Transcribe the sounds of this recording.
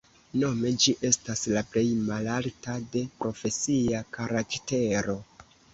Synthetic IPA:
no̞me̞d͡ʒiʔe̞staslaple̞jmalaltade̞pɾo̞fe̞siakaɾakte̞ɾo̞

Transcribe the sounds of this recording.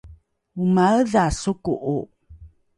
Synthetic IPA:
umaəðasukuʔu

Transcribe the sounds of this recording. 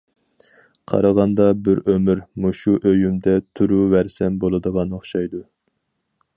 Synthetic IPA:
qʰɑ̰ɾɑʁɑnd̪ɑbɪɾømyɾmuʃuʔøjymd̪ɛt̪ʰuɾuvæɾsɛmbolˠɨd̪əʁɑnoχʃɑjd̪u

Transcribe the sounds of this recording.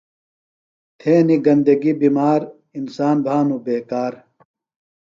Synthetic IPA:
t̪ʰẽːniɡɐnd̪ɐɡibiːmaːɾ | insaːnbʱaːnubeːkaːɾ

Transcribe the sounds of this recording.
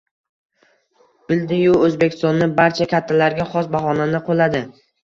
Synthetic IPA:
b̥ɪld̪ɪjʊɵzbekʲʰɪst̪ɒnːɪbaɾt͡ʃʰakʲʰat̪ʰːalaɾɡʲaχɒs̬baχɒnanɪqʰolˠad̪ɪ

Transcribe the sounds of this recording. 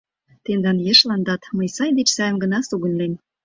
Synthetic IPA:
t̪end̪ɑnjeʃlɑnd̪ɑt̪məjsɑjd̪et͡ɕsɑjəmɡə̆nɑsuɣə̆nlen

